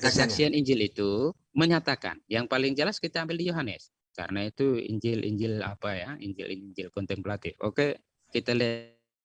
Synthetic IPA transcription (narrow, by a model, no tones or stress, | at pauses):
kəsaksianiɲd͡ʒɪlit̪u | məɲat̪aka̰njaŋpalɪŋd͡ʒəlaskit̪aːmbɪldijoɦanɛ̰s | ka̰ɾənait̪uḭɲd͡ʒɪlʔḭɲd͡ʒɪla̰pajaiɲd͡ʒɪ̰lʔḭɲd͡ʒɪlkɔnt̪ɛmplat̪ɪfo̰ke | kit̪alɛ